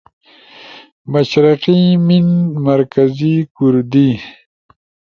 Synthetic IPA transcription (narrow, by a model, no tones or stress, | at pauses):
maʃɾiqiminmaɾkazikuɾd̪i